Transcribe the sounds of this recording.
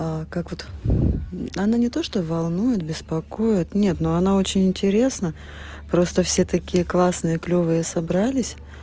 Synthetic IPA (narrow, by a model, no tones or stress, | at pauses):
akakvot̪ | ɐnanʲɪt̪o̞ʂt̪ovɐlˠnujɪt̪̚bʲɪspɐko̞jɪt̪nʲe̞t̪noɐnao̞t͡ɕɪnʲɪnʲtʲɪɾʲe̞snə | pɾo̞st̪əfsʲe̞t̪ɐkʲijəklˠasnɨjəklʲovɨjəsɐbɾalʲɪsʲ